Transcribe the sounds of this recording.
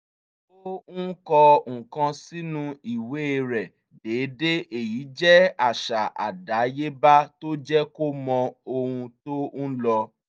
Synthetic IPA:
o˦n̩˦kɔ˧ŋ̩̃˨kã˧si˦nũ˦i˨we˨˦e˦˧ɾɛ˨ | de˨˦de˦ʔe˨ji˨˦d͡ʒɛ˦a˨ʃa˨ʔa̰˨da˨˦je˦ba˦to˦d͡ʒɛ˦ko˦mɔ̃˧o˧hũ˧to˦n̩˦lɔ˧

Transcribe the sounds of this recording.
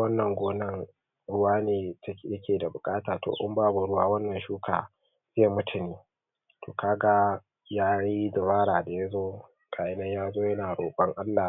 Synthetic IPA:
wɐ˦nːɐ˨ŋɡʷoː˦nɐ˦ŋ | ɽʊ˦waː˦neː˨tɐ˦˨jɐ˦kʲeː˨da˨bʊ˨kʼaː˦taː˨to̰ː˨ʔʊ̰˦mbaː˦bʊ˨ɽʊ˦waː˦wɐ˦nːɐ˨nʃuː˦kʰa̰ː˨ | zeː˦˨mʊ˦tʰʊ˨niː˦ | to̰ː˨kaː˦ɡa˦ | jaː˦ji˦dɪ˨baː˦ɽaː˨da˨ja˦zoː˦ | kʼaː˨ʔɪ˦nɐ˦ɲjaː˦zoː˦jɐ˦naː˨ɽoː˨ɓɐ˦ŋʔa˦lːaː˨

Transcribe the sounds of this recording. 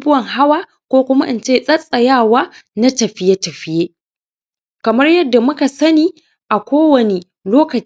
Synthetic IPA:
bʊ˦wɐ˨ŋɦa˦waː˦ | kʷoː˦kʷʊ˦ma˦ʔɪ̰˦nt͡ʃeː˦sʼɐ˦sʼɐ˨jaː˦˨waː˦na˦tɐ˨ɸɪ˦je˦tɐ˨ɸɪ˦jeː˦ | kɐ˨mɐ˦rjɐ˦dːa˨mʊ˦ka˨sɐ˦niː˦˨ | ʔa˨kʷoː˦wɐ˨ne˨ | loː˦kɐ˨

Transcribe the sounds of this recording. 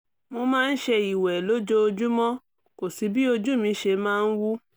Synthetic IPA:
mo˧mãː˦˧n̩˦ʃe˧i˨wɛ˨lo˨˦d͡ʒo˦o˧d͡ʒu˦mɔ̃˦ | ko˨si˨˦bi˦o˧d͡ʒu˦mĩ˧ʃe˧mãː˦˧n̩˦wu˦

